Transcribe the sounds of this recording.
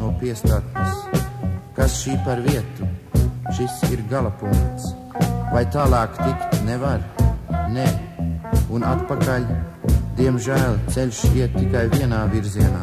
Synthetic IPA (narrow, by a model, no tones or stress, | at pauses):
uɔpiɛst̪at̪is | kasʃiːpaɾviɛt̪uʃisiɾɡalˠapuŋkt̪s | vajt̪aːlˠɑːkt̪ikt̪nɛvaɾnɛ | unat̪pakalʲd̪iɛmʒæːlˠt̪sɛlʲʃiɛt̪ːikajviɛnaːviɾziɛnaː